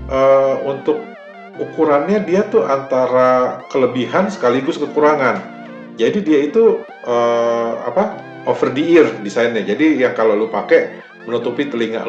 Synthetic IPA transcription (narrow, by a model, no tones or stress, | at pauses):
ʔəunt̪ʊk̚ | ukuɾanɲadiat̪ʊant̪aɾakələbiɦansə̥kaliɡʊskəkuɾaŋan | d͡ʒadidiait̪u | ʔəa̰pa | ʔofərdiɪrdisaɪnɲad͡ʒadijaŋkalolupakeʔ | mənut̪upit̪əliŋa̰ʔ